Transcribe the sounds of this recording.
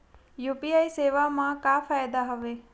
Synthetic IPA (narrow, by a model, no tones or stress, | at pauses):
juːpiajseːʋaːmãkaːfajd̪aɦɐʋe